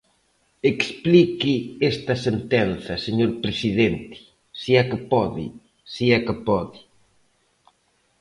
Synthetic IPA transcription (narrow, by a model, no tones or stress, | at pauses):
eksplikiest̪ɐsent̪ɛnθɐseɲoɾpɾesiðent̪ɪ̥ | siakɪpɔðḭ | siakɪpɔði